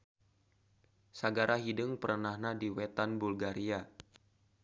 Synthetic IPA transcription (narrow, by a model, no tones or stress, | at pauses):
saɡaɾʔaɦidəŋpərənahnadiwɛt̪anbulɡaɾʔia